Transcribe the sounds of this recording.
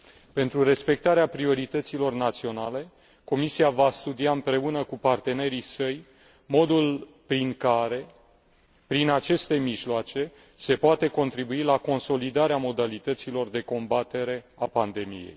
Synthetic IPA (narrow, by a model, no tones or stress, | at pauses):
pent̪ɾure̞spe̞k̚t̪aɾeapɾio̞ɾit̪ət̪silo̞rnat̪sio̞nale̞ | ko̞misiavast̪ud̪iaɨmpɾe̞unəkupart̪e̞ne̞ɾisəj | mo̞d̪ul | pɾiŋkaɾe̞ | pɾinat͡ʃe̞st̪e̞miʒloat͡ʃe̞ | se̞poat̪eko̞nt̪ɾibuilako̞nso̞lid̪aɾeamo̞d̪alit̪ət̪silo̞rd̪e̞ko̞mbat̪e̞ɾe̞apand̪e̞mḭje̞̰j